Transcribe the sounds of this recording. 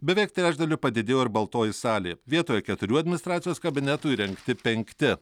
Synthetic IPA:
bʲɛʋʲɛɪk̚t̪ʲɾʲæːd͡ʒʲd̪ɐlʲʊpɐd̪ʲɪd̪ʲeːjoːɪɾbɐlˠt̪oːjɪsɑːlʲeːʋʲiɛt̪oːjɛkʲɛt̪ʊɾʲuːɐd̪ʲmʲɪnʲst̪ɾɑːt̪sʲɪjoːskɐbʲɪnʲɛt̪uːiɾʲɛŋkt̪ʲɪpʲɛŋʲkt̪ʲɪ

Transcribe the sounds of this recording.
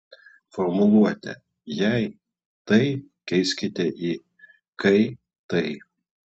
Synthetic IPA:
fɔɾmʊlˠuɔt̪ʲɛ̰ | jɛɪ | t̪ɐɪ | kʲɛɪsʲkʲɪt̪ʲɛʔi | kɐɪ | t̪ɐɪ

